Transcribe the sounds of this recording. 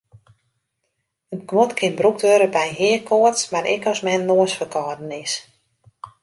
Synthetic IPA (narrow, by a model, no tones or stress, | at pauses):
ənkʋɔtkʰɪnbruk̚døɾəbɛjɦɪəkʰoətsmaɾɪ̰kɔsmɛnnloəsfəkʰɔːdənɪs